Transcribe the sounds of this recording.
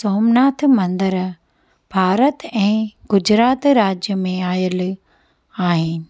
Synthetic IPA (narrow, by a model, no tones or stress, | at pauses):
soːmnaːt̪ʰmɐ̃nd̪əɾ | b̥ʱaːɾət̪ɛ̃ːɡʊd͡ʑɾaːt̪ɾaːd͡ʑjəmẽaːjəl | aːɦɪnɪ̆